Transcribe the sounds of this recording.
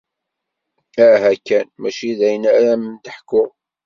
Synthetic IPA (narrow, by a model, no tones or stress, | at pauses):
æɦækːænmæʃiðæjənæɾæmənt̪əħkːʊʁ